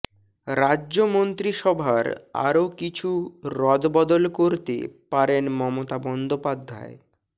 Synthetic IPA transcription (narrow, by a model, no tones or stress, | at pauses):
ɾadːʑomont̪ɾiʃɔbʱaɾa̰ɾokit͡ɕʰuɾɔd̪bɔd̪olkoɾt̪ḛpaɾenmɔmot̪abɔnd̪opad̪ʱːa̰e